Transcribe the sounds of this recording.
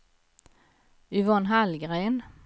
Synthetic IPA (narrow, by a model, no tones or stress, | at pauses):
ʏvɔnɦalɡɾeːn